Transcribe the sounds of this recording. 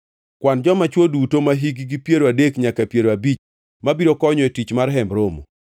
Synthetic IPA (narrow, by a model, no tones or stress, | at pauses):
kwand͡ʒɔmat͡ʃwodutomaɦiɡiɡipjeɾoadekɲakapjeɾoabit͡ʃ | mabiɾokɔɲɔetit͡ʃmaɾɦɛmbɾomo̰